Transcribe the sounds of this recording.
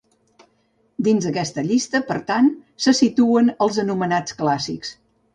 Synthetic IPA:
d̪inzəkɛst̪əʎist̪əpəɾt̪ansəsit̪uənəlˠzənumənat͡sklasiks

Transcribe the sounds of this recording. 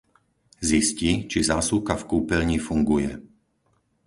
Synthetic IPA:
zisciːt͡ʃizaːsuːkafkuːpɛlɲifuŋɡujɛ̰

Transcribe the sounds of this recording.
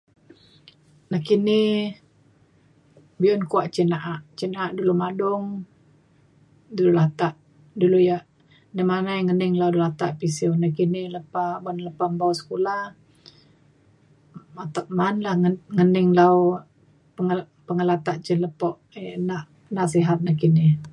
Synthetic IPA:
nakini | biɔnkuaʔt͡ʃinaʔaʔt͡ʃinaaʔdulumadʊŋ | dululat̪aʔ | dulujaʔ | damanajŋənɪŋlaudulat̪aʔpisiunakinɪhləpabanləpambawsə̥kulah | mat̪aʔ̚manlahŋənɪŋlaw | pəŋ | pəŋəlat̪aʔt͡ʃələpɔʔ | ʔnaʔ | nasiɦat̪̚nahkinɪ

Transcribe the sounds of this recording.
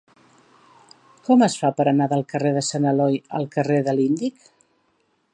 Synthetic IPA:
kɔməsfapəɾənaðəlˠkəreðəsanəlɔjə̰lˠkəreðəlind̪ik

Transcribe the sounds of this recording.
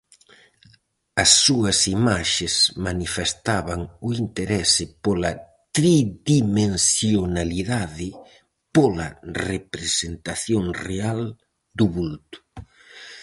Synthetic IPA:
ɐsːuɐsimaʃesmanifest̪aβaŋʊint̪eɾɛsɪpolɐ | t̪ɾiðimensjonaliðaðɪ | polɐrepɾesent̪aθjoŋreal | d̪ʊβult̪ʊ̥

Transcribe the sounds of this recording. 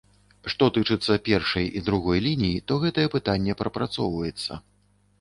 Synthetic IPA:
ʂt̪ɔt̪ɨt͡ʂɨt̪sːɐpʲɛrʂɐjid̪ɾuɣɔjlʲinʲijit̪ɔɣɛt̪ɐjɛpɨt̪anʲːɛpɾɐpɾat̪sɔwvɐjɛt̪sːɐ̰

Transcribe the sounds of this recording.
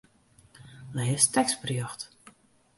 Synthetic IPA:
mɛjɪstɛksbrjɔxt

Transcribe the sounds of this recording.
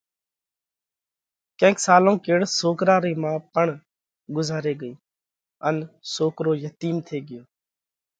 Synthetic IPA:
kẽːksaːlõːkeːɽsoːkɾaːɾiːmãːpəɳ | ɡʊzaːɾeːɡəiː | ənsoːkɾoːjət̪iːnt̪ʰeːɡɪjoː

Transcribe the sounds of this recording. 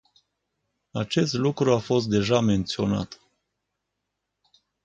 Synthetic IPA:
at͡ʃe̞st̪lukɾuafo̞s̬t̪̚d̪e̞ʒame̞nt̪sio̞na̰t̪

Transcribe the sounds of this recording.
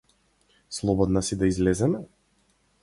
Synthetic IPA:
slˠɔbɔd̪nasid̪aizlɛzɛmɛ

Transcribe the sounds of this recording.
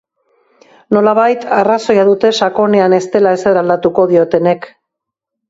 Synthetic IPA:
no̞laβ̞ajt̪araso̞jaðut̪e̞ʃako̞ne̞ane̞st̪e̞lae̞se̞ɾald̪at̪uko̞ðio̞t̪e̞ne̞k

